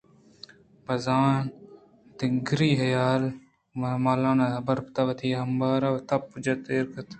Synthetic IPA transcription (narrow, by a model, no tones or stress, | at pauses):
bɐzaːn | d̪ɪŋɡɾiːɦɐjaːl | maːlaːnabɐɾpt̪aʋɐt̪ʰiːɦɐmbaːɾaɐt̪ɐp̚ːʊd͡ʒɐt̪eːɾkɐt̪